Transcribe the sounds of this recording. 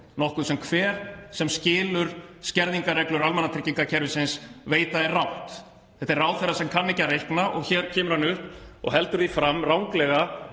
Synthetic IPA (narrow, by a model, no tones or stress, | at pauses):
nɔhkʏsɛmkʰvɛːɾ̥sɛmscɪːlʏɾ̥scɛɾðiŋkaɾrɛklʏɾalmanat̪ʰɾɪcːiŋkacʰɛɾvɪsɪnsveːjt̪aðɛrrawht̪ | θɛht̪ɛraːwθɛrːasɛmkʰanːɪcarejhknaʔɔɣçɛːɾ̥cʰɛːmʏɾ̥hanːʏhpɔ̰ɣɦɛlt̪ʏɾðifɾamːrawŋklɛɣa